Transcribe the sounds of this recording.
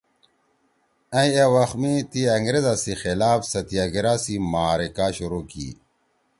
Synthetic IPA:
ɐjewɐxmit̪iɐŋɡɾezasixelaːfsɐt̪iaɡiɾasimaːɾikaːɕuɾuːkḭː

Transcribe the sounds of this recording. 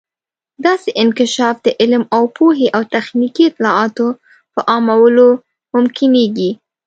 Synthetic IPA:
d̪ɑseʔɪnkɪʃɑfd̪əʔɪlmawpʰoɦeʔawt̪axnikiɪt̪lɑɑt̪o | pəʔɑmawəlo | mʊmkɪneɡi

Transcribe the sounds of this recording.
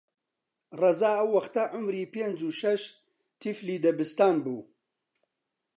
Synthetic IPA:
rɐzaːɐwːɐxt̪ɐʕʊmɾiːpeːnd͡ʒuːʃɐʃ | t̪ʰifliːd̪ɐbɨst̪aːnbṵː

